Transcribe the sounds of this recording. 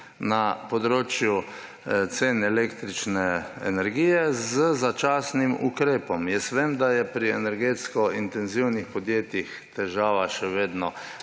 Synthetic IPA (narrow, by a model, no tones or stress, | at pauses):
napɔd̪ɾoːt͡ʃju | t̪seːnɛlekt̪ɾit͡ʃnɛɛ̰nɛɾɡiːjɛzəzat͡ʃaːsnimṵkɾeːpɔmjɛst̪ʋeːmd̪ajɛpɾiɛnɛɾɡeːt̪skɔint̪ɛnziwnixpɔd̪jeːt̪jix | t̪ɛʒaːʋaʃɛʋeːd̪nɔ